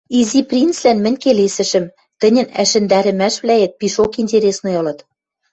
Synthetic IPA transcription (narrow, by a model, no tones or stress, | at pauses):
iziprʲint͡slænmɘ̆nʲkelesɘ̆ʃɘ̆m | t̪ɘ̆nʲɘ̆næ̰ʃɘ̆nd̪æɾɘ̆mæʃβlæet̪̚piʃokinʲtʲeɾʲesnojɤ̆lɤ̆t̪